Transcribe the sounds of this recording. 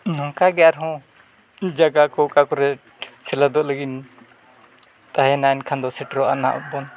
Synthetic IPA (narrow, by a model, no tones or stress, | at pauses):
nɔ̃kaɡɛjaɾɦɔ̃ | d͡ʒaɡakɔkakɔɾɛ | t͡ʃʰɛlad̪ɔʔləɡin | t̪aɦɛnankʰand̪ɔsɛʈɾɔʔa̰na̰ʔɔ̰bɔn